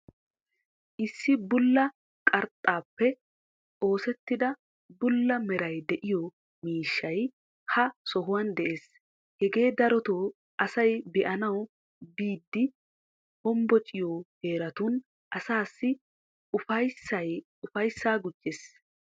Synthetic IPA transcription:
ʔɪsːɪbʊlːɐ | kʼɐɾt̪ʼːaːpːɛ | o̞ːsɛt̪ːɪd̪ɐ | bʊlːɐmɛɾɐjd̪ɛʔɪjɔ | miːʃːɐj | hɐsɔɦʊwɐnd̪ɛʔe̞ːs | hɛɡe̞ːd̪ɐɾɔt̪oː | ʔɐsɐjbɛʔɐnɐw | biːd̪ːɪ | hɔmbɔt͡ʃʼɪjoːhe̞ːɾɐt̪un | ʔɐsaːsːɪ | ʊfɐjsːɐj | ʊfɐjsːaːɡʊd͡ʒːes

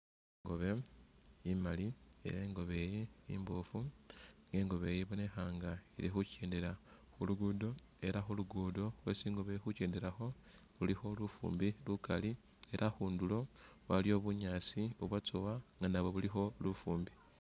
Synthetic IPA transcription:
iŋɡo̞βe̞ | imaliḛjeːŋɡo̞βe̞jiimbofuŋɡe̞ːŋɡo̞βe̞jiβo̞ne̞xaŋɡailixuceːndeɾa | xuluɡudo̞ | e̞ɾaxuluɡudo̞lwe̞ːsiːŋɡo̞βexuceːndeɾaxo̞ | βulixo̞lufṵːmbilukali | e̞ɾʔaxuːndulo̞waljo̞ːβuɲaːsioβwat͡sowaŋɡanaβo̞βulixo̞lufuːmbi

